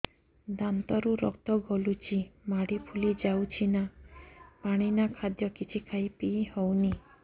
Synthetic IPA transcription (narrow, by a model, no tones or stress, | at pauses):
d̪ant̪ɔɾuɾɔ̰k̚t̪ɔɡɔlut͡ʃʰimaɽipʰulid͡ʒawt͡ʃʰina | paɽ̃inakʰad̪jɔkit͡ʃʰikʰajpihowni